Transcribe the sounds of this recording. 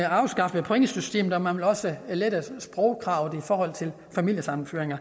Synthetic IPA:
ɑ̈ʊsɡ̥ɑ̈fəpʰoeŋsysd̥e̝̰ːmð̩ˠɒ̽mænʋe̝lɒ̽səled̥əsb̥ʁɔʊkʰʁɑ̈ʊðˠifɒːhɒ̽l̰t͡sʰe̝l | fæmil̰jəsɑ̈mn̩føɐeŋɐ

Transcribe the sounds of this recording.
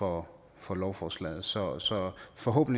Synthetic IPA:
ɒ | fɒ̽lɒʊfɒːslɛ̰ːð̩ˠsɒ̽sɒ̽fɒ̽ɦo̰ːb̥n̩

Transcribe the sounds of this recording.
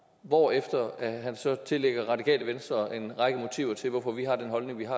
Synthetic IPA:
ʋɒefd̥ɐæɦænsɒ̽t͡sʰe̝leɡ̥ɐʁɑ̈dikʰɛ̰ːləʋensd̥ʁɐʔe̝nʁɑ̈ɡ̥əmo̝t͡sʰḭʊɐt͡sʰe̝lʋɒfɒ̽ʋiɦɑ̈d̥enɦɒ̽lne̝ŋʋiɦɑ

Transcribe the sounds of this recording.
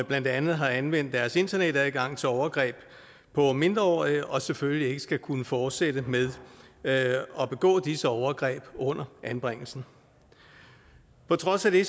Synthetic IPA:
b̥læn̰d̥ænð̩ˠɦɑ̈ænʋen̰d̥æɐse̝nd̥ɐneɾ̥æɡ̥ɑ̈ŋ̰t͡sʰe̝ɒʊɐɡ̥ʁɛ̰ːb̥ | pʰɒ̽me̝nd̥ʁɐɒ̰ːiɒ̽seføllie̝ɡ̥əsɡ̥ækʰunəfɒːd̥sed̥əmeðˠ | ɒ̽b̥e̝ɡ̥ɔ̰̽ːd̥isəɒʊɐɡ̥ʁɛ̰ːb̥ɔ̽n̰ɐʔænb̥ʁeŋ̰l̩sn̩ | pʰɒ̽t͡sʰʁɒ̽sæd̥e̝

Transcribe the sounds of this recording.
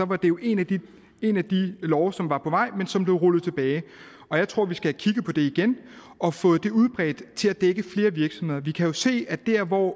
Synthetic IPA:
sɒ̽ʋɑ̈d̥e̝jo̝ʔe̝næd̥i | e̝næd̥ilɒʊsɒ̽mʋɑ̈pʰɒ̽ʋɑ̈ɪ̰mensɒ̽mb̥le̝ʊʁulð̩ˠt͡sʰeb̥ɛːɪ | ɒ̽jɑɪt͡sʰʁo̝ɐ̰ʋisɡ̥ækʰiɡ̥əpʰɒ̽d̥e̝iɡ̥en | ɒ̽fɔ̽ːð̩ˠd̥e̝uð̞ˠb̥ʁɛ̰ːd̥t͡sʰe̝læd̥eɡ̥əfle̝ːɐʋiɐɡ̥sɒ̽mhe̝ð̰ˠɐʋikʰæjo̝se̝̰ːæd̥æɐ̰ʋɒ̰ː

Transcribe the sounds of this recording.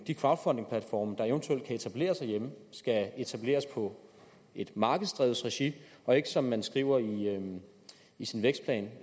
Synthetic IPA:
d̥ikʰʋɑ̈ʊd̥fɒnde̝ŋpʰlæd̥fɒ̰ːmd̥ɑ̈eʊənt͡sʰuel̰d̥̚kʰæe̝t͡sʰæb̥le̝̰ːɐsɑ̈ɪjeməsɡ̥æe̝t͡sʰæb̥le̝̰ːɐspʰɒ̽ | e̝d̥mɑ̈ːɡ̥əð̩ˠsd̥ʁɛ̰ːðˠsʁɛɕi | ɒ̽e̝ɡ̥əsɒ̽mːænsɡ̥ʁḭʊ̰ɐiø | isinʋeɡ̥sd̥̚pʰlɛ̰ːn

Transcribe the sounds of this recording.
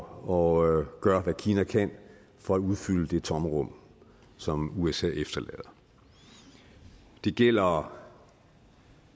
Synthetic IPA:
ɒ̽ɡ̥ɶːɐʋækʰiːnækʰæn | fɒ̽æuð̞ˠfyl̰əd̥e̝t͡sʰɒ̽mʁɔ̽m̰ | sɒ̽muesɛ̰ːefd̥ɐlɛ̰ːðˠ | d̥e̝ɡ̥el̰ɐ

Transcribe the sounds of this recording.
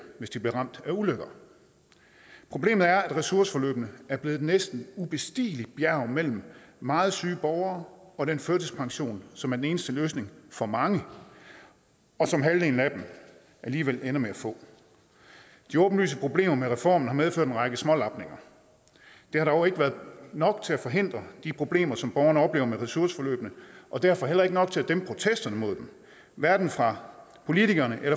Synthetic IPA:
ʋe̝sd̥ib̥liɐʁɑ̈m̰d̥æuløɡ̥ɐ | pʰʁo̝b̥le̝̰ːmð̩ˠæɐæd̥ʁɛsuɐsə̥fɒ̽lø̰ːb̥nəæɐb̥le̝ːð̩ˠnesd̥n̩ub̥e̝sd̥ḭːli̥b̥jæɐʊmel̰m̩ːɑ̈ːð̞̩ˠsyːb̥ɒʊɐːɒ̽d̥enføɐd̥əspʰɑ̈ŋɕo̝̰ːnsɒ̽mæɐd̥ene̝ːnəsd̥əløːsne̝ŋfɒ̽mɑ̈ŋə | ɒ̽sɒ̽mɦælde̝ːn̩æd̥m | ʔæliːʋel̰enɐmeæfɔ̰̽ː | d̥iɔ̽ːb̥n̩ly̰ːs̬əpʰʁo̝b̥le̝̰ːmɐmeʁɛfɒ̰ːmn̩hɑ̈meðˠfø̰ɐ̰denʁɑ̈ɡ̥əsmɒ̽lɑ̈b̥ne̝ŋɐ | d̥e̝hɑ̈ɾ̥ɒʊe̝ɡ̥ʋæːɐðˠnɒ̽ɡ̥t͡sʰe̝æfɒ̽ɦe̝n̰d̥ʁɐd̥ipʰʁo̝b̥le̝̰ːmɐsɒ̽mb̥ɒʊɐnəɒ̽b̥le̝ːʊɐmeʁɛsuɐsə̥fɒ̽lø̰ːb̥nəʔɒ̽d̥æɐfɒ̽ɦel̰ɐe̝ɡ̥ənɒ̽ɡ̥̚t͡sʰe̝æd̥em̚pʰʁo̝t͡sʰesd̥ɐnəmo̝ð̞̰ˠd̥em | ʋæɐd̥n̩fʁɑ̈ | pʰo̝lit͡sʰiɡ̥ɐnəʔelɐ

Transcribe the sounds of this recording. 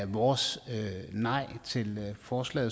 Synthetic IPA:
ʋɒːsønɑ̈ɪ̰t͡sʰe̝lfɒːslɛ̰ːð̩ˠ

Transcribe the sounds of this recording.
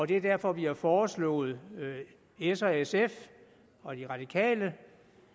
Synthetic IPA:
ɒ̽d̥e̝æɐd̥æɐfɒ̽ʋihɑ̈fɒːslɔ̰̽ːð̞̩ˠ | esesef | ɒ̽d̥iʁɑ̈d̥ikʰɛ̰ːlə

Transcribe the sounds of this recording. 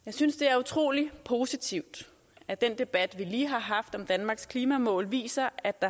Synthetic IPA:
jɑ̈ɪsynsd̥e̝æɐut͡sʰʁo̝̰ːlipʰo̝ːsit͡sʰiʊ̰d̥ | æd̥en̰d̥e̝b̥æd̥ʋiliːɦɑ̈ɦɑ̈fd̥ɒ̽md̥ænmɑ̈ːɡ̥skʰliːmæmɔ̰ːlʋḭːsɐæ̥ɑ̈

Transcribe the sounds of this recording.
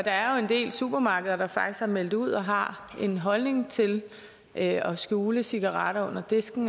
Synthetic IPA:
d̥ɑ̈æɐjo̝e̝nd̥e̝̰ːlsuːb̥ɐmɑ̈ːɡ̥əð̩ˠɐd̥ɑ̈fɑ̈ɡ̥isɡ̥æɐmel̰d̥uð̞̰ˠɒ̽ɦɑ̈ | e̝nɦɒ̽lne̝ŋt͡sʰe̝l | ʔɒ̽sɡ̥uːləsiɡ̥ɑʁɑ̈ɾ̥ɐɔ̽n̰ɐd̥e̝sɡ̥n̩

